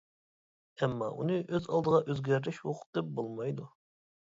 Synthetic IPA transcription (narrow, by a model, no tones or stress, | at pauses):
ɛmːɑ̰ʔunɨʔøzɑlˠd̪əʁɑʔøzɡʲæɾd̪ɪʃwoqʰd̪ɛp̚bolˠmɑjd̪u